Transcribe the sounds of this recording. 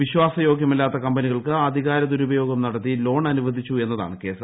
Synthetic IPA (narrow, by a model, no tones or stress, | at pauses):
ʋiɕwaːsɐjo̞ːɡjɐmilːaːt̪ːɐkɐmbɐniɣɐɭkɨɐd̪ʱiɣaːɾɐd̪uɾubɐjo̞ːɡɐmnɐɽɐt̪ːilo̞ːɳɐnuʋɐd̪ʱit͡ɕːue̞nːɐða̰ːɳɨke̞ːsɐ